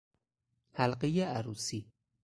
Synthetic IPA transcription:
hælɢejeʔæɾuːsiː

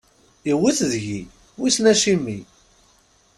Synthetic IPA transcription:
iwiθðʝi | wisnæʃimːi

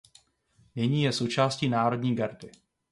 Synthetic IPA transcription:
nɪɲiːjɛso̞wt͡ʃaːsciːnaːɾo̞dɲiːɡaɾdɪ

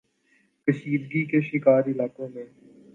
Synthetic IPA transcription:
kəʃiːd̪ɡikeʃɪkaːɾɪlaːkõmẽː

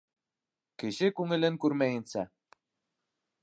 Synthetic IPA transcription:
kɘ̆ɕɘkuŋɘ̆lʲɘ̆ŋkyɾmæjɘ̆nsæ

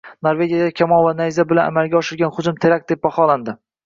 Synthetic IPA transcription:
noɾve̞ɡʲijad̪akʲʰamɒlˠvanajzabɪlana̰malˠɡʲaɒʃɪɾɡʲanχʊd͡ʒʊmt̪ʰeɾak̚ʲd̪̥e̞p̚baχɒland̪ɪ

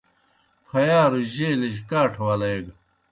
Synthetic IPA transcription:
pʰɐjaːɾuʑeːleʑkaːʈʰwɐlɐjɡ

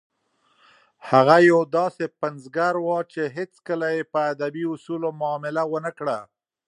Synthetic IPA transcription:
haɣajawd̪ɑsepanzɡaɾwɑt͡ʃeɦet͡skəlajepəːd̪abiʊsulomʊːmɪlawənəkɽa

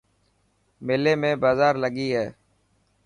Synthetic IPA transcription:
meːleːmẽːbaːzaːɾləɡiːɦɛː

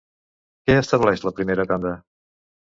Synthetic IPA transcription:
kɛəst̪əβlɛʃləpɾimeɾət̪and̪ə

